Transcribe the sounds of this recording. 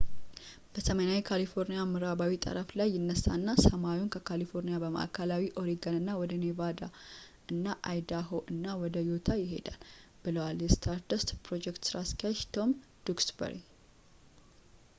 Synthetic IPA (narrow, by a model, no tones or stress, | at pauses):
b̥əsəmənawikʰalifo̞ɾnijamɨɾaβawit̪ʼə̰ɾəflajːɪnːəsːa̰nːasəmawiunkʰəkʰalifo̞ɾnijabəma̰ʔa̰kʰalawiʔo̞ɾiɡənɨnːawɔd̪ənevad̪a | ɨnːaʔa̰jd̪aɦoʔɨnːawɔd̪əjo̞t̪ʰajɪɦe̞̰d̪alb̥ɨləwaljɛst̪ʰaɾd̪əst̪pɾo̞d͡ʒɛkt̪sɨɾaskʰiaʃt̪ʰo̞m | d̪̥uksbə̰ɾi